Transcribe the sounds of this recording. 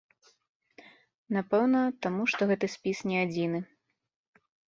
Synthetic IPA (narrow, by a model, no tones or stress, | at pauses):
napɛwnɐt̪amuʂt̪ɔɣɛt̪ɨsʲpʲisnʲɛad͡zʲinɨ